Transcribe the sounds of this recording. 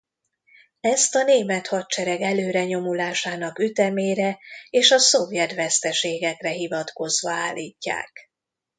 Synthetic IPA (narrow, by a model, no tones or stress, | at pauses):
ɛst̪ɒneːmɛt̪hɒt̚t͡ʃɛɾɛɡɛløːɾɛɲo̞mulaːʃaːnɒkyt̪ɛmeːɾɛeːʃɒsovjɛt̪ʋɛst̪ɛʃeːɡɛkrɛɦivɒt̪ko̞zʋɒaːlːḭːcːa̰ːk